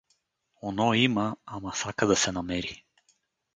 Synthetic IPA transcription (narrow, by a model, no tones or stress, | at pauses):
ɔnɔimaamasakad̪ɐsɛnamɛɾi